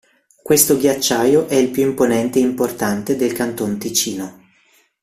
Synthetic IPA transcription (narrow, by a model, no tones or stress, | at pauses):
kwest̪oɡjat͡ʃːaːjoʔɛilpjuimponɛnt̪eimport̪ant̪ed̪elkant̪ont̪it͡ʃiːno